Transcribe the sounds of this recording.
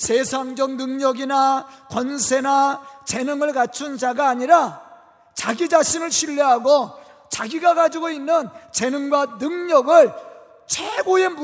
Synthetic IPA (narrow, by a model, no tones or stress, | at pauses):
sʰesʰaŋd͡ʑʌŋnɯŋɲʌɡinakwʌnsʰe̞nat͡ɕe̞nɯŋɯɭkat͡ɕʰund͡ʑaɡaːɲiɾa | t͡ɕaɡid͡ʑaɕʰinɯɭɕʰiʎːiɦaɡo | t͡ɕaɡiɡaɡad͡ʑiɡoinːɯnt͡ɕe̞nɯŋɡwanɯŋɲʌɡɯɭ | t͡ɕʰweɡojem